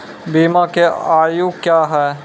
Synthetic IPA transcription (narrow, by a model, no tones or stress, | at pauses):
biːmãkeaːjukjaːɦɛː